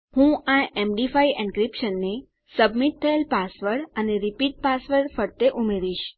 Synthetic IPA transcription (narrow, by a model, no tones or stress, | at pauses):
hũãemɖifaiɪ̃nkɾipʃənːe | səbmit̪ʰːəelpasʋəɾɽəneɾipiʈ̚pasʋəɾɽfəɽt̪eʔumeɾiʃ